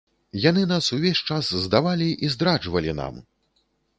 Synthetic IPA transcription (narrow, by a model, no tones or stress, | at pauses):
janɨnasuvʲesʲt͡ʂaszd̪avalʲiʔizd̪ɾad͡ʐvɐlʲina̰m